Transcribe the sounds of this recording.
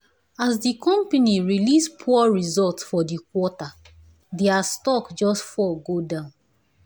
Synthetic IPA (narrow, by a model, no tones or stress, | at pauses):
asdikɔ̃mpaniɹilispʰuaɹizɔltsfɔdikwɔta | dɛastɔkd͡ʒɔstfɔɡodãʊ̃n